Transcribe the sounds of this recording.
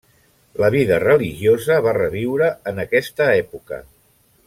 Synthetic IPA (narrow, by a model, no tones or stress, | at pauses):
ləβ̞iðərəliʒiozəβ̞arəβiwɾəənəkɛst̪əɛpukə̰